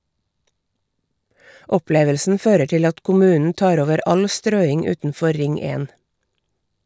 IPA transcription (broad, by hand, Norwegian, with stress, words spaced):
ˈɔˌpleːʋəlsn̩ ˈføːɾə ˈʈɪl ˈɑt kʊˈmʉːnn̩ ˈtɑːɾ ˈoːʋəɾ ˈɑl ˈstɾøːɪŋ ˈʉːtn̩ˌfɔ ˈɾɪŋ ˈeːn